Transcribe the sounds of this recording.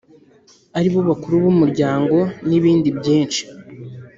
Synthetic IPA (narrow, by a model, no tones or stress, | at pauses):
aɾiβoβakuɾuβumuɾɟaːŋɡo̞niβiːndibɟiːnt͡ʃi̥